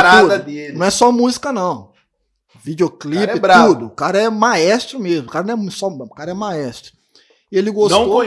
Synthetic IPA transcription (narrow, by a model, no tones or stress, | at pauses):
ɾaud̪ɐd̪elɐ̃w̃ɛsɔmuzikɐnɐ̃w̃ | vid͡ʒiokliɪbɾaud̪ʊkaɾɐɛmaɛst̪ɾʊmezmʊkaɾɐnɐ̃ɛsɔkaɾɐɛmaɛst̪ɾʊ̥ | ɪelɪɡostw̃o